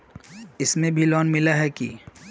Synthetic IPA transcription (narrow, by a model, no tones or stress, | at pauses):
ɪsmẽbʱilɔːnmɪlaɦɛkḭ